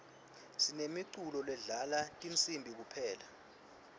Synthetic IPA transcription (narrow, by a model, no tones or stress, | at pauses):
sinemiǀulɔlwɛɮalatʼint͡sʼimbʱik̬upʰɛːla